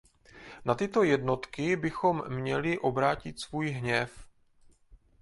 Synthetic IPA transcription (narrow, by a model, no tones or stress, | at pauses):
nat̪ɪt̪o̞jɛdno̞t̪kɪbɪxo̞mːɲɛlɪʔo̞bɾaːcɪt̪svuːjɦɲɛf